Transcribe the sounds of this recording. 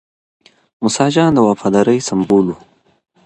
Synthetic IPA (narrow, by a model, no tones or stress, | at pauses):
mʊsɑd͡ʒɑːnd̪əwafɑd̪ɑɾəjsamboːlu